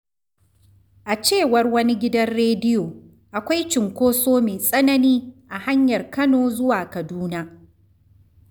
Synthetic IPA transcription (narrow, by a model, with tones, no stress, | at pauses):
ʔa˨t͡ʃeː˦˨wɐ˦rwɐ˦ni˦ɡʲɪ˦dɐ˦nɽeː˦dɪ˦joː˨ | ʔa˨kʷa˦jt͡ʃɪ˨ŋkʷoː˦soː˦meː˨sʼɐ˦nɐ˦niː˦ʔa˨ha˦ɲjɐ˨rkɐ˦noː˦zʊ˦waː˨kɐ˨duː˦naː˦